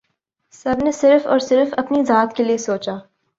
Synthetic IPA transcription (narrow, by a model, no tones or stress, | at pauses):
sɐbnesɪɾfɔːɾsɪɾfɐpnizaːt̪keliesoːt͡ʃaː